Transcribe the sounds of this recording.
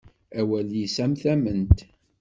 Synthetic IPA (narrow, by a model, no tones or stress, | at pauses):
æwæljisæmθæmənt̪